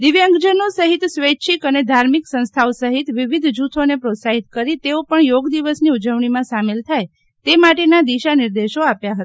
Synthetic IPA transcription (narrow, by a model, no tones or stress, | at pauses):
d̪iʋjãŋɡd͡ʒənosəɦit̪sʋet͡ʃʰikəned̪ʱaɾmiksə̃ñst̪ʰaosəɦit̪ʋiʋid̪ʱd͡ʒut̪ʰonepɾot̪saɦit̪kəɾit̪eopəɳjoɡd̪iʋəsniud͡ʒəʋɳimãsamelt̪ʰaj | t̪emaʈenad̪iʃanɪɾd̪eʃoapjaɦət̪a